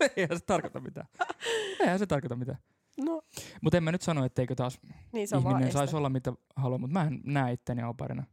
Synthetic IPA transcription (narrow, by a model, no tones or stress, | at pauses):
eihænse̥t̪ɑrkot̪ɑmit̪æ̰ː | ehænset̪ɑrkot̪ɑmit̪æː | nomut̪emænyt̪sɑnoet̪ːeikøt̪ɑːsniːsihminensɑissolːɑmit̪æ | hɑluomut̪mæennæːit̪ːeniɑopɑ̰rḭnɑ